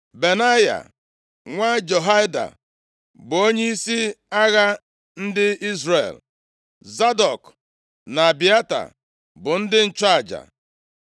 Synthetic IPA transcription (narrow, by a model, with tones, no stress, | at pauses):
be˨na˦ja̰˨ | ŋʷa˦d͡ʒo˨ɦa˦jda̰˨ | bʊ˨o˦ɲe˦i˦si˦a˦ɣa˦ | n̩˦dɪ˦i˦zre˨l | za˦dɔ˨k | na˨bi˨a˦ta̰˨ | bʊ˨n̩˦dɪ˦n̩˨t͡ʃa˦a˨d͡ʒa̰˨